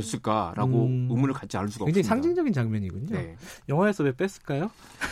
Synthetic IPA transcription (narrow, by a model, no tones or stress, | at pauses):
s͈ɯɭk͈aɾa̰ɡoɯmuɾɯɭkat͡ɕ͈ʰiaɭs̬͈uɡaʌked͡ʑeisʰaŋd͡ʑiŋd͡ʑʌɡint͡ɕaŋmjʌɲiɡuɲojʌŋɦwaesʰʌwep͈es͈ɯ̥ɭk͈ajo